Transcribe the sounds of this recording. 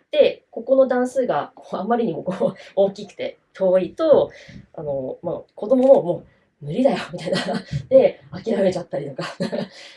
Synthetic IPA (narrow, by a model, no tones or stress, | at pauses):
d̪̥e̞ko̞ko̞no̞d̪ãɰ̃sɨːɡamoamːaɾʲiɲ̟imo̞kooːkʲikɯ̟̥t̪e̞ | t̪ʰo̞ːit̪o̞a̰no̞mo̰ːko̞d̪o̞mo̞momo̞ː | mɯ̟ɾʲid̪ajomʲit̪ainad̪̥e̞akʲiɾame̞t͡ɕat̪ːaɾʲit̪o̞kat̪a